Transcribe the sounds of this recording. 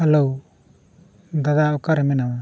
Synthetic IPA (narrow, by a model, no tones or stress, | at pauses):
alɔw | d̪ad̪aɔkaɾɛmɛnawa